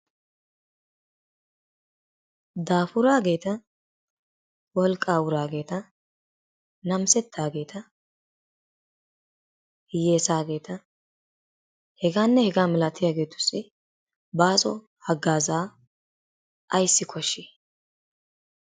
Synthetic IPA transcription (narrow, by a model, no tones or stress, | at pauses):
d̪aːfʊɾaːɡe̞ːt̪ɐ | wɔlkʼːaːwʊɾaːɡe̞ːt̪ɐ | nɐmsɛt̪ʰːaːɡe̞ːt̪ʰɐ | je̞ːsaːɡe̞ːt̪ɐ | hɛɡaːnːɛhɛɡaːmɪlɐt̪ʰːɪjaːɡe̞ːt̪ʊ̥sːɪ | baːsʼɔ̰ | hɐɡːaːzaː | ʔɐjsːɪkʰɔʃːeː